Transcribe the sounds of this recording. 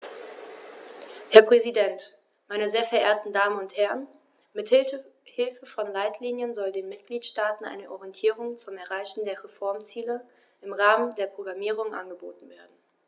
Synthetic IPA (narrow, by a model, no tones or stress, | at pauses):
hɛɐpʁ̥ɛzidɛnt | maɪnəzeːɐfɛɐʔeːɐtn̩daːmənʊnthɛʁən | mɪthhɪlfəfɔnlaɪtʰliːnjənzɔldeːnmɪt̚ɡ̥liːtʃtaːtn̩ʔa̰ɪnəʔɔʁiɛntʰiːʁ̞ʊŋt͡sʊmɛɐʁaɪçn̩deːɐʁɛfɔɐmt͡siːlə | ʔɪmʁaːməndeːɐpʁ̥oɡʁamiːʁ̞ʊŋʔa̰nɡəboːtn̩veːɐdn̩